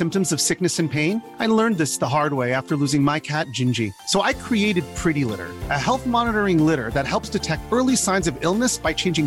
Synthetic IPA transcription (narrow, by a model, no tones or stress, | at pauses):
sɪ̃mp̚tɨ̃mzʌv̥sɪk̚nɨsɨ̃npʰẽɪ̃n | aɪlɜ̃˞nðɪsðəɦɑɹd̚weɪæftə˞luzɪ̃ŋmaɪkʰæt̚d̥ʒ̥ɪ̃nd͡ʒḭsoʊʔaɪkʰɹ̥ieɪɾɨd̚pʰɹ̥ɪɾilɪ̰ɾə̰˞ʔɨhɛlˠθmɑnəɾə˞ɪ̃ŋlɪɾə˞ðɨt̚hɛlˠpsd̥ɨtʰɛk̚tɜ˞lˠisãɪ̃nzʌvɪlˠnɨsb̥aɪt͡ʃʰẽɪ̃nd͡ʒɪ̃ŋ